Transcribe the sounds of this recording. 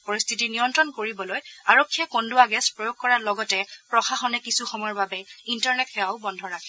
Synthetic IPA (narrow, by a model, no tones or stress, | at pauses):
poɹist̪ʰitinijɔntɹɔnkoɹibɔlojaɹokʰːijɛkonduaɡɛspɹojoɡ̚kɔɹalɔɡɔtɛpɹɔxaxɔnɛkisuxɔmɔjɔɹbabɛintaɹnɛtxɛaʊbɔndʱɔɹakʰɛ